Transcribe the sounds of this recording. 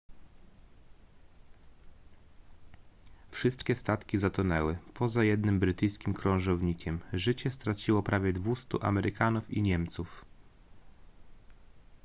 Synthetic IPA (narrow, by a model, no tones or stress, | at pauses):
fʂɘst̪kʲɛst̪at̪kʲizat̪unɛwɘpʰɔzajɛd̪nɘmbɾɘt̪ɘjskʲimkɾɔ̃w̃ʐɔvɲikʲɛmʐɘt͡ɕɛst̪ɾat͡ɕiwɔpɾavʲjɛd̪vust̪ṵʔa̰mɛɾʔɘkanufḭɲɛmt̪suf